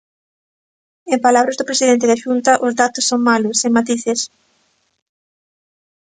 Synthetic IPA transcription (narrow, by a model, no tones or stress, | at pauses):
empalaβɾɐzðʊpɾesiðent̪ɪðaʃunt̪ɐʔʊzðat̪ʊsːoŋmalʊsemat̪iθɪs